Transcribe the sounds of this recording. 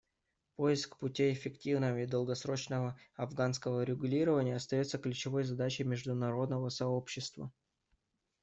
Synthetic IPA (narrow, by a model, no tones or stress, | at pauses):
po̞ɪskpʊtʲiɪfʲɪktʲivnəvəid̪əlˠɡɐsɾo̞t͡ɕnəvəɐvɡanskəvəɾʲɪɡʊlʲiɾəvənʲɪjəɐst̪ɐjo̞t̪səklʲʉt͡ɕɪvo̞jzɐd̪at͡ɕɪjmʲɪʐd̪ʊnɐɾo̞d̪nəvəsɐo̞pɕːɪst̪və̰